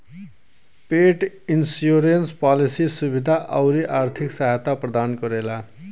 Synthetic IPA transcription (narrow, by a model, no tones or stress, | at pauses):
peʈ | insjoɾenspalisisubid̪ʱaʔʌwɾiʔaɾt̪ʰiksaɦat̪aprʌd̪ankʌɾela